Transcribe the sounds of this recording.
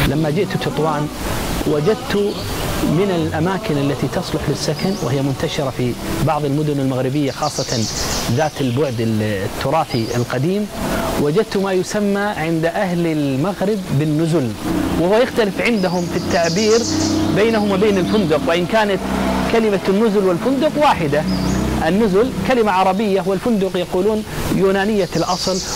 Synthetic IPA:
lamːad͡ʒɪʔt̪t̪ʊt̪ˤwɑːnwad͡ʒad̪̚t̪ʊ | mɪnɪlʔamaːkɪnʔalːat̪it̪ɑsˤlʊħlɪsːakanwʔɪ̰hɪjːamʊnt̪aʃɪɾˤɑfibɑʕðˤɪlmʊd̪ʊnɪlmaɣɾɪbɪjːaxɑːsˤːɑt̪ðaːt̪ɪlbʊʕd̪ɪt̪ʰːʊɾˤɑːfiɪ̰lqɑd̪iːmwad͡ʒad̪̚t̪ʊmajʊsamːaʕɪnd̪ʔaɦlɪlmaɣɾɪbːɪnːʊzʊlwɪhʊwajɪxt̪alɪfʕɪnd̪aɦʊmfit̪ːaʕbiːɾbeːnahʊmwbeːnɪlfʊnd̪ʊqwɪʔɪnkaːnat̪kalɪmanːʊzʊlwɪlfʊnd̪ʊqwaːħɪd̪aʔɪnːʊzʊlkalɪmaʕɑɾˤɑbɪjːaɦʊwalfʊnd̪ʊqjɑquːluːnjuːnaːnɪjːalʔɑsˤl

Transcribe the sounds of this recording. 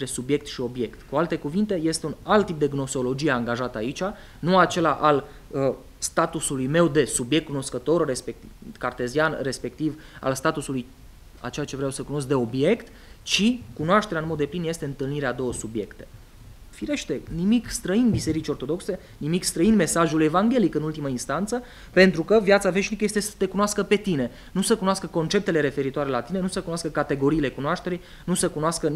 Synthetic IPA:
t̪ɾe̞subje̞k̚t̪ʃio̞bje̞kt̪kualt̪e̞kuvint̪e̞je̞st̪e̞unalt̪ːip̚d̪eɡno̞solo̞d͡ʒijeaŋɡaʒat̪əait͡ʃa | nuat͡ʃe̞laʔal | ə | st̪at̪usulujme̞wd̪e̞subjekt̪̚ːkunoskət̪o̞rrespekkart̪e̞zianre̞spe̞k̚t̪iv | a̰lst̪at̪usuluj | a̰t͡ʃe̞at͡ʃe̞vɾeawsəkuno̞s̬k̚d̪e̞o̞bje̞kt̪ | t͡ʃikunoaʃt̪eɾanmo̞d̪ːe̞plinje̞st̪eɨnt̪ɨlniɾead̪o̞wəsubje̞̰kt̪e̞̥ | fiɾe̞ʃt̪e̞nimikst̪ɾəinbise̞ɾit͡ʃʲo̞rt̪o̞d̪o̞kse̞ | nimikst̪ɾəinme̞saʒule̞vaŋɡʲe̞likɨnult̪iməinst̪ant̪sə | pe̞nt̪ɾukəvjat̪save̞ʃnikəjest̪esə̥t̪e̞kunoaskəpe̞t̪ine̞ | nusəkunaskəko̞nt͡ʃe̞p̚t̪e̞le̞ɾe̞fe̞ɾit̪oaɾe̞lat̪ine̞nusəkunoaskəkat̪e̞ɡo̞ɾiːle̞kunoaʃt̪e̞ɾij | nusəkunoaskə

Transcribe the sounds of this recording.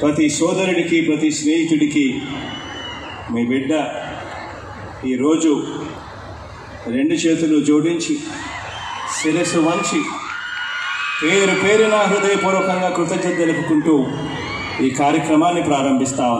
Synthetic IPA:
pɾɐt̪isɔːd̪ɐɾuɽikipɾɐt̪isneːɦit̪uɽiki | miːbiɖːɐ | iːɾo̞ːd͡ʒu | ɾe̞ɳɖut͡ʃeːt̪ulud͡ʒoːɽiɲt͡ʃi | siɾesuʋɐɲt͡ʃi | keːd̪ɐɾupeːɾunaːɦɾɐd̪ɐjɐpuːɾɔːkɐŋɡaːkɾut̪ɐd͡ʒɐd̪ɐlupukuɳʈuː | iːkaːɾjɐkɾɐmaːnːipɾaːɾɐmbʱist̪aːun

